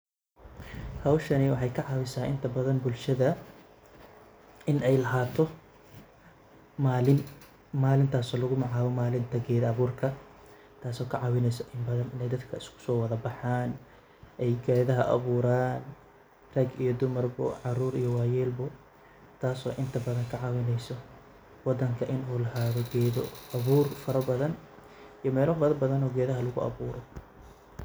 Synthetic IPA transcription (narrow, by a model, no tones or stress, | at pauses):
hɐwʃɐnɪwɑħɑjkʰɐʕɑwɪsaːʔɪ̰nt̪ʰɐbɐðɐnbʊlʃɐðɐ | ɪnɛjlɐɦaːt̪ʰɔ | mːlɪn | maːlɪnt̪ʰaːsɔːlɐɣʊmɑʕaːβɔmaːlɪnt̪ʰɐɡɛːðɐβuːrkʰɐ | t̪ʰaːsɔːkʰɐʕɑwɪnɛjsɐʔɪmbɐðɐnɪnɛjd̪ɐd̪kʰɐɪskʰʊ̥sɔːwɐðɐbɑħaːn | ʔɛjɡɛːðɐɦɐʔɐ̰βuːɾaːn | rɐɡijɔd̪ʊmɐrbɔ̰ʕɑruːɾijɔwɑːjɛːlbɔ | t̪ʰaːsɔ̰ːʔɪnt̪ʰɐbɐðɐŋkʰɐʕɑwɪnɛjsɔ | wɑd̪ɐŋkʰɐʔɪnuːlɐɦaːðɔɡɛːðɔɐβuːrfɐɾɐbɐðɐn | ijɔmɛːlɔbɐðɐbɐðɐnɔːɡɛːðɐɦɐlʊɣʊ̰ʔɐ̰βuːɾɔ